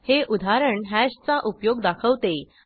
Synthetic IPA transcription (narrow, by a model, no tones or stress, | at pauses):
heʔud̪ʱaɾəɳɦæɕt͡saʔupjoɡd̪akʰəʋt̪e